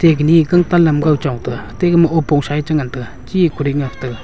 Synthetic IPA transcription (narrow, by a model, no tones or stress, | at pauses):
t̪ek̚ɦnikaŋt̪alːamɡawt͡ɕoŋt̪əht̪ekməʔopoŋɕajət͡ɕəŋant̪ək̚ | t͡ɕikʰoɾeŋaht̪ək̚